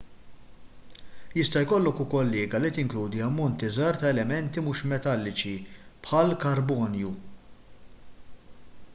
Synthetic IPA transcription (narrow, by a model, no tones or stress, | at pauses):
jɪst̪ɐjkɔlːɔkʊkɔlːɛːɡɐlit̪ɪŋkluːd̪iɐmːɔnt̪izɐːɾt̪ɐɛlɛmɛnt̪imuːʃmɛt̪ɐlːɪt͡ʃipħɐlkɐɾbɔːnju